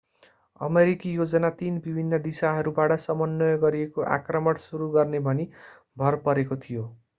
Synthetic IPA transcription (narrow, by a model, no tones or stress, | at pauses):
ʌ̰meɾikijod͡zʌnat̪inbibʱinːʌd̪isaɦʌɾubaʈʌsʌmʌnːʌjɡʌɾiekoʔa̰krʌmʌɽsuɾuɡʌrnebʱʌni | bʱʌrpʌɾekot̪ʰijo